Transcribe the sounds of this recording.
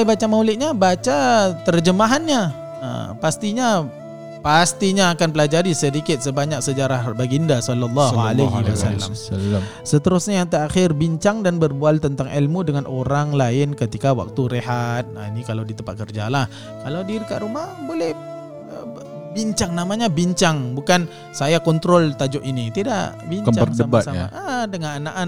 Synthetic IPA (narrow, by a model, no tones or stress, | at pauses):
ajbat͡ʃamawlɪt̪ʔ̚ɲabat͡ʃat̪ərd͡ʒəmaɦanɲa | ə̰past̪iɲa | past̪iɲaːkanpəlad͡ʒaɾisədikɪt̪̚səbaɲak̚səd͡ʒaɾahbaɡiəndasɔlːalˤːaɦalaɦiwasalːa̰m | sət̪əɾʊsɲajaŋt̪əɾaxɪrbiɲt͡ʃaŋdanbərbualt̪ənt̪aŋʔilmudəŋanʔoɾaŋlaɪnkət̪ikawa̰k̚t̪uɾeɦat̪̚ainikalawdit̪əmpat̪̚kərd͡ʒalah | kalawdiɾika̰ʔɾumahbolɛh | biɲt͡ʃaŋnamaɲabiɲt͡ʃaŋbukan | sajakɔnt̪ɾɔlt̪ad͡ʒʊʔinit̪idaʔbiɲt͡ʃaərdəbasamaʔadəŋananaʔan